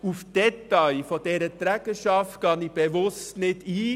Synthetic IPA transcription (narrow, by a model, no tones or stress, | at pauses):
ufd̥ɛtɑɪfɔd̥ɛɾət̪ɾæɡ̥əʃɑftkʰɑnib̥ɛʋʊstnɪdiː